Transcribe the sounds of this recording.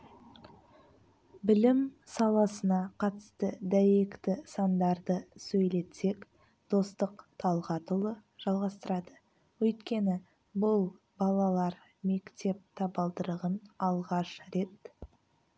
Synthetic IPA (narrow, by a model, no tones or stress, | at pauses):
bɪlɪmsɑlˠɑsənɑqʰɑt̪ə̥st̪əd̪æjekt̪ɪsɑnd̪ɑɾd̪əsɵjle̞t̪se̞k | d̪̥o̞st̪əqt̪ʰɑlˠʁɑt̪ʊlˠəʒ̥ɑlˠʁɑst̪əɾɑd̪ə | wɵjt̪kʲe̞nɪ | bʊlˠ | bɑlˠɑlˠɑɾ | me̞kt̪e̞p̚t̪ʰɑbɑlˠd̪əɾəʁənɑlˠʁɑʃɾe̞t̪